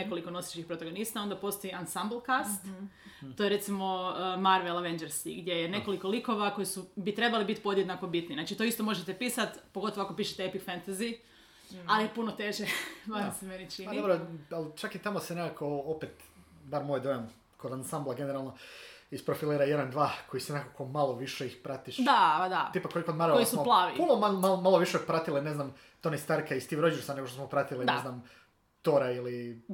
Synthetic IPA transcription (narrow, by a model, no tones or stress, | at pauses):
neko̞likono̞se̥t͡ʃixpɾot̪aɡo̞nist̪ao̞nd̪apo̞st̪ojiansambl̩ˠkast̪ | t̪ːojeɾe̞t̪simo̞maɾʋelaʋeɲd͡ʒeɾsḭɡd̪je̞jene̞ko̞liko̞liko̞ʋako̞jisubit̪ɾe̞balibit̪po̞d̪jed̪nakobit̪ninaːt͡ʃit̪oist̪o̞mo̞ʒet̪episat̪poɡo̞t̪oʋoakopiʃet̪eepikfent̪azi | aliepunot̪e̞ʒeʋamseme̞nit͡ʃind̪obɾoalt͡ʃakit̪amosenekako̞opet̪ | baɾmojd̪ojom | kod̪ansamblˠaɡeneɾalˠno̞ispɾofiliːɾajed̪and̪ʋaːkʰojisenekako̞malˠo̞ʋiʃeixpɾat̪iʃd̪ad̪aipakːolikod̪maɾoojisumoplˠaːʋḭpunomalmalmalˠoʋiʃepɾat̪iline̞znam | t̪o̞nist̪aɾkaist̪iːʋɾo̞d͡ʑiɾsane̞ɡoʃt̪osmopɾat̪ilineznam | t̪oɾaili